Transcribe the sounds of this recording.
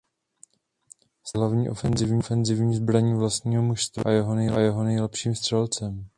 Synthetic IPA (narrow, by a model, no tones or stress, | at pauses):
z̥ɦlavɲiːʔo̞fɛnzɪvɲifɛnzɪvɲiːzbɾaɲiːvlast̪ɲiːɦo̞muʃst̪va̰jɛɦo̞nɛjlajɛɦo̞nɛjlɛpʃiːmst̪r̥ɛlt͡sɛm